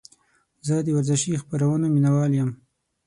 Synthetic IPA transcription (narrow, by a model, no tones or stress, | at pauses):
zəd̪əwaɾzɪʃixpaɾawənominawɑljəm